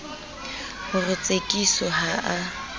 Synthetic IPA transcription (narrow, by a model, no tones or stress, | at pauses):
hʊrʊt͡sʼekʼisɔɦaʔa